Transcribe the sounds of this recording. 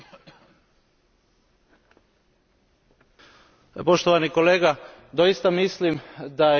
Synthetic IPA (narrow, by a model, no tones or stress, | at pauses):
poʃt̪oʋanikoleːɡad̪ojist̪amislimd̪a